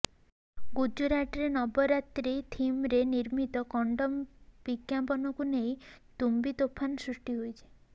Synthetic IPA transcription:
ɡud͡ʒuɾaʈɔɾenɔbɔɾat̪ɾit̪ʰimɾeniɾmit̪ɔkɔɳɖɔmbikjampɔnɔkunejt̪umbit̪opʰːanɔsɾusʈiɦojt͡ʃʰi̥

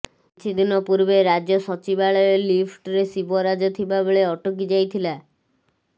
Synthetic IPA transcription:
t͡ʃʰid̪inɔpuɾbeɾad͡ʒɔsɔt͡ʃibaɭɔelipʰʈɾesibɔɾad͡ʒɔt̪ʰibaboɭeɔʈok̬id͡ʒajt̪ʰila

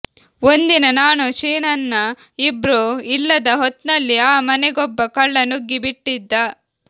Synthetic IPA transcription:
ond̪inɐnaːnut͡ʃiːnɐnːɐ | ibɾuilːɐd̪ɐɦɔt̪nɐlːiaːmɐnɛɡɔbːɐkɐɭːɐnuɡːibiʈːid̪ːɐ

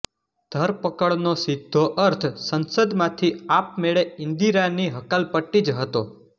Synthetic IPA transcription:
d̪̥ʱəɾpəkəɭnosɪd̪ʱːoʔəɾt̪ʰsənsəd̪mãt̪ʰiap̚meɭeɪ̃nd̪iɾaniɦəkalpəʈːid͡ʒɦət̪o

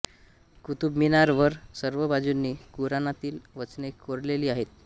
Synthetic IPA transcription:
kut̪ubminaɾʋəɾsəɾʋəbad͡zunːiːkuɾanat̪iːlʋət͡snekoɾleliːaɦet̪̚

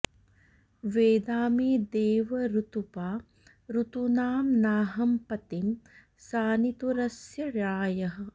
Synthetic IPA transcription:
ʋeːd̪aːmeːd̪eːʋɐɾut̪upaː | ɾut̪unaːmnaːɦɐmpɐt̪im | saːnit̪uɾɐsjɐɾaːjɐɦɐ̆

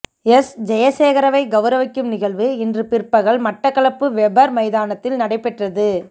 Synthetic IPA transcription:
ɛsd͡ʒɐjɐseːɣɐɾɐʋɐɪɡɐʋɐɾɐʋɪkːɯmnɪɣɐɭʋɯɪndrɯpɪrpɐɣɐɭmɐʈːɐkːɐɭɐpːɯʋɛbɐɾmɐɪðaːnɐt̪ːɪlnɐɽɐɪpːɛʈrɐðɯ

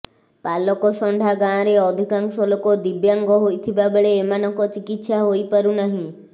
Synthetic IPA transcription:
palɔkɔsɔɳɖʱaɡãɾeɔd̪ʱikaŋksɔlɔkɔd̪ibjaŋɡɔɦojt̪ʰibabeɭeːmanɔŋkɔt͡ʃikit̪ʃaɦojpaɾunaɦĩ

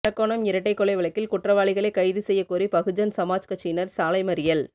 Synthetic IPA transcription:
ɐkːoːɳɐmɪɾɐʈːɐɪkːɔɭɐɪʋɐɭɐɪkːɪlkʊʈrɐʋaːɭɪɣɐɭɐɪkɐɪðɯsɛjːɐkuːɾipɐɣɯd͡ʒɐnsɐmaːt͡ʃkɐt͡ʃːiːnɐɾsaːlɐɪmɐɾɪjɐl

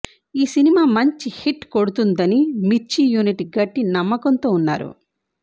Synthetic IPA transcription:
iːsinimaːmɐɲt͡ʃihiʈkoɽut̪und̪ɐnimit͡ʃːijuːniʈiɡɐʈːinɐmːɐkɐnt̪o̞ːunːa̰ːɾṵ

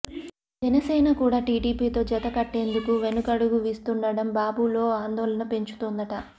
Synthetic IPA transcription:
d͡ʒɛnɐsɛːnɐkuːɽaːʈiːʈiːpiːt̪o̞ːd͡ʒɐt̪ɐkɐʈːe̞ːnd̪ukuʋe̞nukɐɽuɡuʋiːst̪uɳɖɐɽɐmbaːbulo̞ːaːnd̪ɔːlɐnɐpe̞ɲt͡ʃu̥t̪uːnd̪ɐʈɐ

